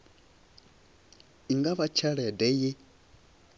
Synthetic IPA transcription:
iŋɡaβat͡ʃʰaɺɛdɛje

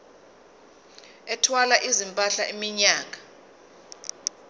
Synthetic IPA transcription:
ɛtʰwalaʔizimpʼaɬaʔimiɲaːŋʱʼa

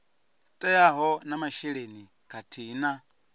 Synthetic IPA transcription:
tʼɛjaɦɔnamaʃɛɺeni | kʰatʰiːna

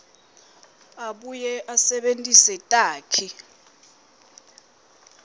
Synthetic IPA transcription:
aɓujɛʔasɛɓentʼisɛtʼaːkʰi

